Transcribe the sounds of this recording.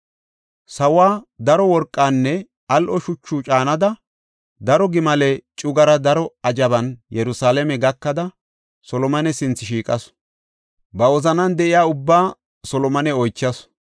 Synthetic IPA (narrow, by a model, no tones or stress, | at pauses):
sɐwaːd̪ɐɾɔwɔɾkʼːaːnːɛ | ɐlʔɔʃʊt͡ʃːut͡ʃʼaːnɐd̪ɐ | d̪ɐɾɔɡɪmɐlɛt͡ʃʼʊɡɐɾɐd̪ɐɾɔɐd͡ʒɐbɐnjɛɾʊsaːlɛmɛɡɐkːɐd̪ɐ | sɔlɔmɐnɛsɪnt͡sːɪʃiːkʼɐs | bɐɔzɐnɐnd̪ɛʔɪjaːʊbːaː | sɔlɔmɐnɛɔjt͡ʃːɐs